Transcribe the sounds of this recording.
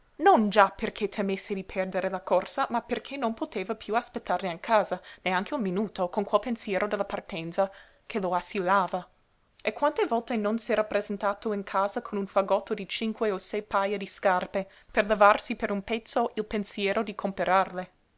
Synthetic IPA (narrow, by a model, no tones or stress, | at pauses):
nond͡ʒaperkʰet̪ʰemesːed̪ipʰɛrd̪eɾelakorsamaperkʰenonpot̪eːvapʰjuaspet̪ːarneiŋkʰaːzaneaŋkʰeunminuːt̪okonkwɛlpensjɛːɾod̪elːapart̪ɛnt̪sa | kʰeloasilːaːva | ekːwant̪evɔlt̪enonsɛɾapːɾezent̪aːt̪oiŋkʰaːzakʰonunfaɡɔt̪ːod̪it͡ʃiŋkweosɛjpajad̪iskarpe | perlevarsipeɾunpɛt̪sːoʔilpensjɛːɾʔod̪ikʰompeɾarle